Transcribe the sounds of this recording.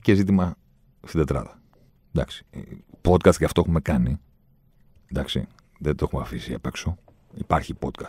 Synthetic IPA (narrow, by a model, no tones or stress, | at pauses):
cezit̪̬imɐ | st̪id̪et̪ɾɐ̰ðɐ | d̪ɐ̰ksi̥po̞t̪̚kɐst̪ʝɐft̪oexumekɐni | nd̪ɐksḭ | ðed̪oexumeɐfisiɐ̰pe̞kso | ipɐɾçipo̞t̪̚kɐs